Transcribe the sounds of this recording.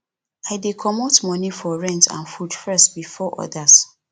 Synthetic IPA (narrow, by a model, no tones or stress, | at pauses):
aɪdekʰɔmotmɔ̃nifɔɹɛ̃ntã̰nfud̥fɛstbifɔʔɔ̰das